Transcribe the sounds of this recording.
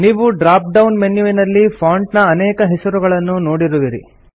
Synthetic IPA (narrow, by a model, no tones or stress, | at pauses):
niːʋuɖɾaːp̚ɖɐwnmenjuʋinɐlːipʰaːɳɖnɐːnɛːkɐɦɛsɐɾuɡɐɭɐnːunoːɽiɾuʋiɾḭ